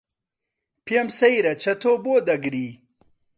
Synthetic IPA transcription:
pijɐmsɐjɾɐt͡ɕʰɐt̪ʰoboːd̪ɐɡɾi

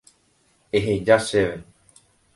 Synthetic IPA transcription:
eɦed͡ʒaseʋe

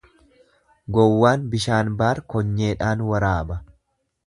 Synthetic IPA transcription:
ɡɔwːaːnbɪʃaːnbaːɾkɔɲːe̞ːᶑaːnwɐɾaːbɐ

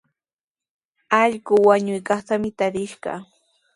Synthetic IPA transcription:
ɑʎɢʊwaɲʊjkɑχt̪amɪt̪aɾɪʃɢɑ̰

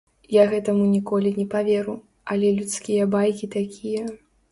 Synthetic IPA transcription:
jaɣɛt̪ɐmunʲikɔlʲinʲɛpavʲeɾu | ɐlʲɛlʲut̪skʲijɐbajkʲit̪akʲʰijɐ

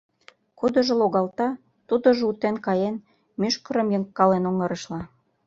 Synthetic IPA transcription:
kud̪ə̆ʒeloɣɑlt̪ɑ | t̪ud̪ŏʒut̪enkɑjen | myʃkəɾə̆mjəŋkːɑlenoŋəɾəʃlɑ

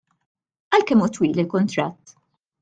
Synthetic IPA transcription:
ʔɐlkɛmuːt̪wiːlɪlkʊnt̪ɾɐt̪ː

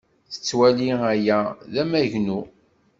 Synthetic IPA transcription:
θə̥t͡sːwæliæjæðæmæʝnu

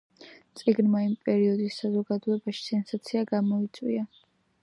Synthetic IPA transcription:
t̪sʼiɡnmaimpʼɛɾiɔd̪isːazɔɡad̪ɔɛbaʃi̥sɛnsat̪sʰiaɡamɔit̪sʼwḭa

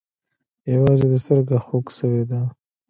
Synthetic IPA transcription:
jawɑzed̪əst̪əɾɡaxoksəwed̪a

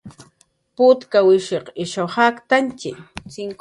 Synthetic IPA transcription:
pʊt̪kawɪʃeqɪʃohakt̪ant͡ʃɪt͡sɪŋ

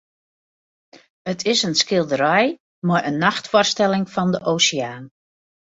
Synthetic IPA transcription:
ətʰɪsənskɪlˠdəɾɛj | marʔənːaxtfɔrstɛlɪŋfɔndəʔoːsɪaːn

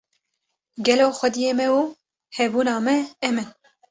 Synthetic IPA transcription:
ɡɛloːxʷɛd̪ijeːmɛwuː | hɛbuːnɑːmɛɛmɨn

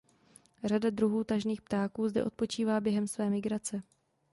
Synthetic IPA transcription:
radadɾuɦuːt̪aʒniːxp̚t̪aːkuːzdɛ̰ʔo̞t̪po̞t͡ʃiːvaːbjɛɦɛmsvɛːmɪɡɾat͡sɛ

